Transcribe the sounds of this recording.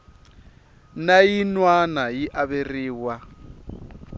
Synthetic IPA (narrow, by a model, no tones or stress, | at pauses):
najinwanajiʔaβeriːwa